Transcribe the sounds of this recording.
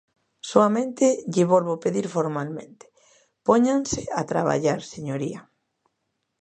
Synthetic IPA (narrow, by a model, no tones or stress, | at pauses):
soamẽnt̪ɪʎɪβolβopeðiɾfoɾmalmẽnt̪ɪ̥ | poɲaŋsɪat̪ɾa̰βa̰ʎaɾseɲoɾia